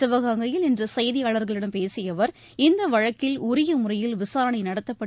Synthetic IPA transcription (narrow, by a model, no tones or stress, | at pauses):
ɪʋɐɣaːŋɡɐjɪlɪndrɐsɐjðɪjaːɭɐɾɣɐɭɪɽɐmpeːsɪjɐʋɐɾ | ɪnd̪ɐʋɐɻɐkːɪlʊɾɪjɐmʊrɐjɪlʋɪsaːɾɐɳɐɪnɐɽɐt̪ːɐpːɐ